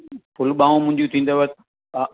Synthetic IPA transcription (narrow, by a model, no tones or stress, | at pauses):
pʊlɓaːõmʊ̃ɦɪ̃ɲd͡ʑut̪ʰĩːnd̪oʋət̪ː